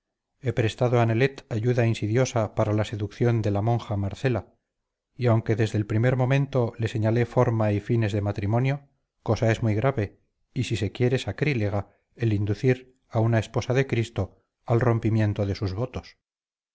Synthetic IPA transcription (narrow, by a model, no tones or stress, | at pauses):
e̞pɾe̞st̪aðoanele̞t̪aʝuðainsiðjo̞sapaɾalase̞ðukθjo̞nd̪e̞lamõ̞ŋxamaɾθe̞la | iawŋke̞ðe̞zðe̞lpɾime̞ɾmõ̞mẽ̞nt̪o̞le̞se̞ɲale̞fo̞ɾmaifine̞zðe̞mat̪ɾimo̞njo̞ | ko̞sae̞zmijɣɾaβe̞ | isise̞kje̞ɾesakɾileɣ̞a | elind̪uθiɾ | aunae̞spo̞saðe̞kɾist̪o̞ | alro̞mpimjẽ̞nt̪o̞ðe̞suzβo̞t̪o̞s